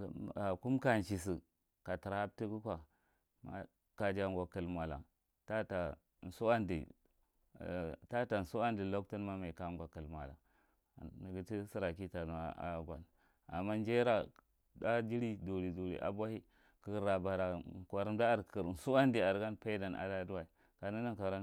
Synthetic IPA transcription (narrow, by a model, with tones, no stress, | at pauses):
a˨ku˦mka˨n˨ʃi˨si˨ | ka˨ti˨ɾha˦b̚ti˦ku˦kʷa˨ | ma̰˦ | ka˨d͡ʒa˨ŋɡʷa˨kə˨lmʷ˨a˨la̰˨ | ta˦ta˨ | n̩˨su˦a˦ndḭ˨ | ta˦ta˨n̩˨su˦wa˦ndi˨lo˦k̚tu˦nma˦ma˨ka˨ŋɡʷa˨kə˨lmʷ˨a̰˨la̰˨ | ni˨ɡi˦ti˦si˦ɾa˨ki˦ta˨n˨a˦a̰˨˦ɡʷa̰˨n | a̰˨mːa˦nd͡ʒe˦ɾa˦ | da˦d͡ʒi˦ɾi˦du˨ɾi˨du˨ɾḭ˨ʔa̰˨bʷa˦hi˦ | kə˨˦ɾa˨ba˨ɾa˨kʷa˨ɾn˦da˦a˦˨ɾkʰə˨ɾn̩˨su˦wa˦n˦di˨a˨ɾɡa˦npa˦da˨na̰˨da˦du˦wa˨i˨ | ka˨ni˦na˦ka˨ɾa˦